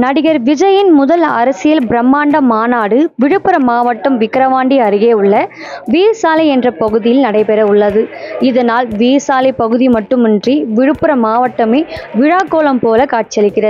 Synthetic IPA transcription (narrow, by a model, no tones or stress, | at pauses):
nɐɽɪɣɐɾʋɪd͡ʒɐjɪnmʊðɐlɐ̰ɾɐsɪjɐlbɾɐmːaːɳɖɐmaːnaːɽɯʋɪɻɯpːɯɾɐmaːʋɐʈːɐmʋɪkːɪɾɐʋaːɳɖiɐɾɪɣeːʊɭːɐ | ʋiːɾsaːlɐɪɛndrɐpɐɣɯðɪjɪlnɐɽɐɪpɛɾɐʊɭːɐðɯɪðɐnaːlʋiːsaːlɐɪpɐɣɯðimɐʈːɯmɯndriʋɪɻɯpːɯɾɐmaːʋɐʈːɐmeːʋɪɻaːkːoːlɐmpoːlɐkaːʈ̚t͡ʃɐlɪkːɪrɐðɯ